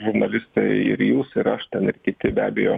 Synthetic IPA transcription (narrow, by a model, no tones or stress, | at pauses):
ʒʊɾnɐlʲɪst̪ɐɪɪ̰ɾjuːsɪɾɐʃt̪ʲɛnɪɾkʲɪt̪ʲɪbʲæ̰ːbʲejoː